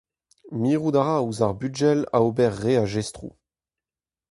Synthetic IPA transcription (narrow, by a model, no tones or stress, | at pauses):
miːʁudaʁauzaʁbyd͡ʒɛla̰obɛʁːeaʒɛstʁṵ